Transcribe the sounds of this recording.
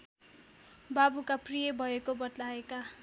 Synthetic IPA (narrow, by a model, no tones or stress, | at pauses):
babukaprijʌbʱʌekobʌʈ̪laeka